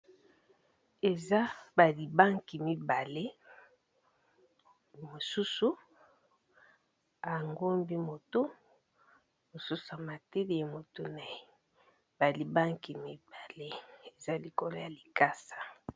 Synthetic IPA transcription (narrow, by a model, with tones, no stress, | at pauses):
e˨za˦ba˨li˨ba˦ŋki˨mi˦ba˨le˦ | mo˨su˦su˨ | a˨ŋɡo˦mbi˦mo˨to˦ | mo˨su˦su˨a˨ma˨te˦li˦˨a˨mo˨to˦na˨e˦ | ba˨li˨ba˦ŋki˨mi˦ba˨le˦e˨za˦li˨ko˨lo˦ja˨li˨ka˦sḁ˨